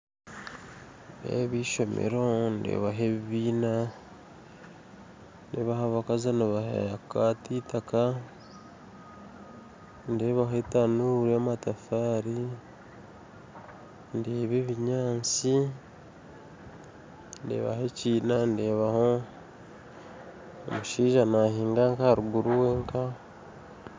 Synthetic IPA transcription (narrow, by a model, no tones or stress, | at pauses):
ndḛβiʃo̞mḛɾondḛβaɦeβiβiːna | nḛβahaβakazanoβahḛakatitaka | ndeβaɦetanuɾamatafaːɾi | ndeːβeβiɲaːnt͡si | ndḛβa̰he̞ciːnandeːβaho | o̰muʃiːʒanahiːŋɡaŋkahaɾuɡuɾuwe̞ːŋka